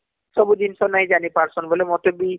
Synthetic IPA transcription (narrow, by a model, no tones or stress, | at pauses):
sɔbudinsɔnaĩzanipaɹsɔnbɔlɛmɔtɔbi